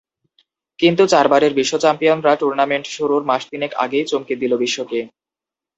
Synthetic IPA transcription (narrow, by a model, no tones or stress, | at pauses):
kint̪ut͡ɕaɾbaɾeɾbiʃːot͡ɕɛmpijonɾaʈuɾnameɳʈʃuɾuɾmaʃt̪ineka̰ɡejt͡ɕomkid̪ilobiʃːoke